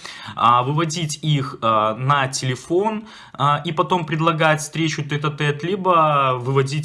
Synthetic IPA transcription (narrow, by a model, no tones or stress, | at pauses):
vɨvɐdʲitʲixnɐtʲɪlʲɪfon | ipɐt̪o̞mpɾʲɪd̪lˠɐɡatʲfst̪ɾʲet͡ɕʊt̪ɛt̪ɐt̪ɛt̪lʲibəvɨvɐdʲitʲ